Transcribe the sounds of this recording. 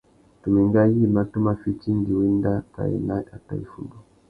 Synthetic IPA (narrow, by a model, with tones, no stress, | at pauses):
tu˨mi˨ŋɡa˦ji˦ma˨tɔ˦ma˨fi˦t͡ʃi˦ndi˨wi˦nda˦ka̰˨ɛ̰˨na˦a˨ta̰˨i˨fu˦ndu˨